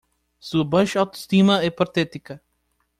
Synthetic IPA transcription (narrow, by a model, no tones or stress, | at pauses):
suɐbɐ̃ʃawt̪o̥st̪imɐɛpɐɾt̪ɛt̪ikɐ